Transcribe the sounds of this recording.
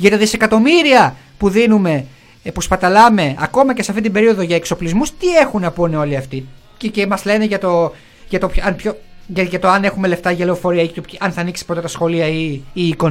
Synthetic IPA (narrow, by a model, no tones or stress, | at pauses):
ʝɐt̪it̪ɐðise̞kɐt̪o̞miɾiɐ | puðinume̞ | pospɐt̪ɐlɐme̞ɐ̰ko̞mɐceseɐft̪it̪̬ibe̞ɾio̞ðo̞ʝɐekso̞plizmust̪ie̞xunɐponeo̞liɐft̪i | cecemɐzle̞neʝɐt̪o̞ | ʝɐt̪opçɐnpçoʝɐʝɐt̪oɐne̞xume̞left̪ɐʝe̞lo̞fo̞ɾiɐiet̪opɐnθɐniksi̥pɾot̪et̪ɐsxo̞liɐiːko